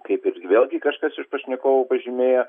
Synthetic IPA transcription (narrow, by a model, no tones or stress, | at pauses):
kɐɪpɪɾʋʲeːlˠɡʲɪkɐʃkɐsɪʃpɐʃʲnʲɛkoːʋopɐʒʲɪmʲeːjoː